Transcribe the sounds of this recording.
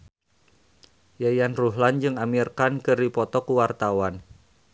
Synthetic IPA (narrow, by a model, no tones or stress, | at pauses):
jajanruɦland͡ʒɨŋamirkankɨrdipɔt̪ɔkuwart̪awan